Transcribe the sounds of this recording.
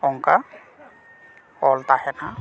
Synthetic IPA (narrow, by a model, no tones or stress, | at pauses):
ɔŋka | ɔlt̪aɦɛna